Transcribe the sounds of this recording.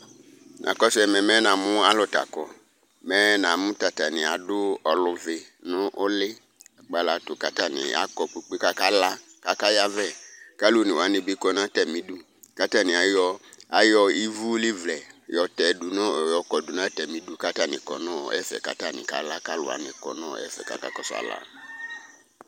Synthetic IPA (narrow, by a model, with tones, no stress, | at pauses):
nʔã̰˨kɔ˦sɛ˨mɛ̃˨mɛ˦nã˨mʊ̃˦a˦lɔ˦ta̰˨kɔ˨ | mɛ˦nã˨mũ˦ta˨ta˨nɪ̃˨a˨dʊ˦ɔ˨lʊ˨vɪ˨nʊ̃˦ʔo˦lɪ˦˨ | k͡pa˨la˨tʊ˨ka˨ta˦˨nɪ̰̃˨a̰˨˦kɔ˨k͡pi˦k͡pe˦ka˦ka˦la˦ | ka˦ka˦ja˦vɛ˦˨ka˦lu˦nɪ̃˨wa˨˦nɪ̃˨bi˦kɔ˦nã˦tɛ˨mĩ˨du˦ | ka˦ta˦˨nɪ̃˨a˨jɔ˧a˨jɔ˦i˦vu˦li˦vlɛ˨jɔ˨tɛ˨du˨nɔ̃˦˨jɔ˨kɔ˨du˨nã˦tɛ˨mĩ˨du˨ka˦ta˦˨nɪ̰̃˨kɔ̰˨nɔ̰̃˦˨ɛ̰˦fɛ̰˨ka̰˨ta˦˨nɪ̰̃˨ka̰˨˦la˦ka˦lʊ̰˨a̰˨˦nɪ̃˨kɔ̰˨nɔ̰̃˦˨ɛ̰˦fɛ̰˨ka̰˦ka̰˦kɔ˦sa̰˨la̰˨